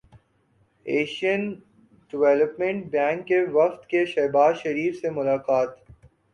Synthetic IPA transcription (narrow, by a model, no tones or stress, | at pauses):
eːʃiən | ɖɪʋɛːləpmẽɳʈ̚bɛ̃ːŋkːeʋɐft̪keʃɛːbaːzʃɐɾiːfsemʊlaːqaːt̪